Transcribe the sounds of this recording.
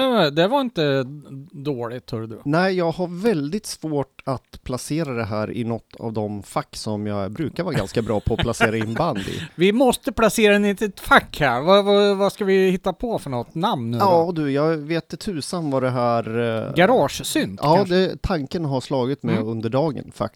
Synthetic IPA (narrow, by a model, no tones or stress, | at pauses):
d̪ɛvaɾɪnt̪ə | d̪oːlɪt̪ʰhœɖd̪nɛɪjɑːɡɦaɾvɛld̪ɪt̪svoːʈat̪pʰlaseːɾad̪ɛɦæːɾɪ̰nɔt̪ʰːa̰vd̪ɔmfakːsɔmjɑɡbɾʉ̟ːkaɾvɑːɾɡa̰nskabɾɑːpʰɔːlaseːɾaɪnband̪ɪ̰vɪmɔst̪əpʰlaseːɾadɛnɪt̪ʰɪt̪fakːhæːɾvavavaskavɪhɪt̪ːapʰɔfœɳɔt̪ːnamnɑd̪ɵjɑːɡveːt̪ɛt̪ʰʉ̟ːsamːvad̪ɛɦæːɾɡaɾɑːʂsʏnd̪ɑːd̪ɛt̪ʰaŋkənɦaʂlɑːɡɪt̪mɛɵnd̪əɖɑːɡə̰nfa̰k̚